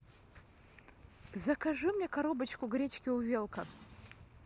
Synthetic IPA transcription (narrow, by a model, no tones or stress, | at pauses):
zɐkʰɐʐɨmɲʲekɐɾobɐt͡ʃkʊɡɾʲet͡ʃkʲɪuvʲelˠkʰɐ̰